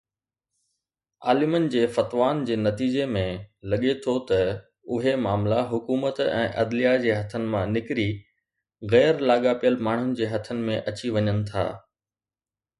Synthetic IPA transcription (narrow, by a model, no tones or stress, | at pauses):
a̰ːlɪmənɪ̆d͡ʑeːfɐt̪ʋaːnd͡ʑeːnɐt̪iːd͡ʑemẽlɐɠet̪ʰot̪ɐ | ʊɦemaːmlaɦʊkuːmət̪ɛ̰̃ːʔɐd̪lijad͡ʑeːɦɐt̪ʰənɪ̆mãnɪkɪɾi | ɣɛːɾlaːɠapijəlmaːɳ̤ʊnɪ̆d͡ʑeːɦɐt̪ʰənɪ̆mẽʔɐt͡ɕiʋɐɲənɪ̆t̪ʰa̰ː